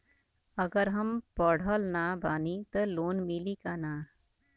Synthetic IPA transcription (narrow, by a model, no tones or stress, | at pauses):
ɐɡəɾɦɐmpɔːɽ̤ʱəːlnabaːnit̪əloːnmilikaːnaː